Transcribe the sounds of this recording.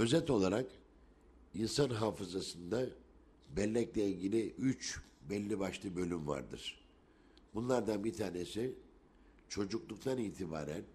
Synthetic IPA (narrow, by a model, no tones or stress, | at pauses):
ø̞zɛt̪o̞lˠaɾak | insanɦaːfɯzasɯnd̪a | bɛlʲːɛclʲɛiɟilʲiʔyt͡ʃ | bɛlʲːibaʃlˠɯbø̞lʲymva̰ɾd̪ɯ̰ɾ̥ | bunlˠaɾd̪anbit̪ʰaːne̞si | t͡ʃʰo̞d͡ʒuklˠuk̚t̪ʰaniːt̪ʰiba̰ːɾæn